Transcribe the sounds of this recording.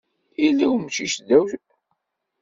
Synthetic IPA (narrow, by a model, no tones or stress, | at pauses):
ilːiwmʃiʃd̪æwθ